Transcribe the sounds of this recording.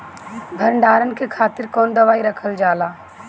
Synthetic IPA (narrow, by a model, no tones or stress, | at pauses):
bʱəɾɳɖaːɾənɪkʰekʰaːt̪ɪɾkoːnd̪əʋaːiɾəkʰəld͡ʒaːlaː